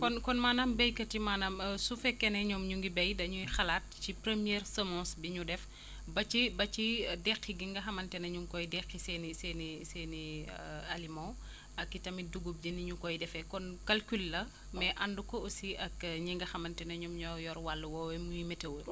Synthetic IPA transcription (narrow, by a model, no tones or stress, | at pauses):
kɔnkɔnmaːnambejkɐtimaːnamsufɛkːɛnɛɲɔmɲuŋɡibɛjdɐɲujxɐlaːt̚cipɾemijɛɾsɐmɔ̃ːsbiɲudɛf | bɐt͡ʃibɐt͡ʃidɛxːiɡiŋɡɐxɐmɐntɛnɐɲumkɔjdɛxːisɛnisɛnisɛnialimɔ̃ | ɐkːitɐmiduɡub̚d͡ʒiniɲukɔjdɛfɛkɔnkɐlkylːɐ | mɛʔɐndukɔosiʔɐkɲiŋɡɐxɐmɐntɛnɐɲɔmɲɔjɔɾwalːuwɔwɛmujimɛtewul